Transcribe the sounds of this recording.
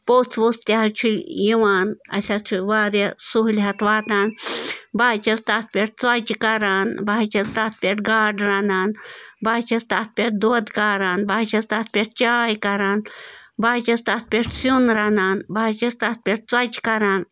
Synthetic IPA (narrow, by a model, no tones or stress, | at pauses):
poːt͡sʰʋust̪aɦɐt͡ʃʰujiʋaːnɐ̰sʲat͡ʃʰuʋaːɾesuɦlɦɐt̪ʋaːt̪aːnbaːt͡ʃɐst̪at̪̚pʲeʈ̚t͡sɐt͡ʃʲkɐɾaːnbaːt͡ʃɐst̪at̪̚pʲeʈɡaːɖɾɐnaːnbaːt͡ʃʰɐst̪aːt̪̚pʲeʈ̚d̪oːd̪kaɾaːnbaːt͡ʃʰɐst̪at̪̚pʲeʈt͡ʃaːjkɐɾaːnbaːt͡ʃɐst̪at̪̚pʲeʈsunɾɐnaːnbaːt͡ʃɐst̪at̪̚pʲeʈ̚t͡sɐt͡ʃkɐɾaːn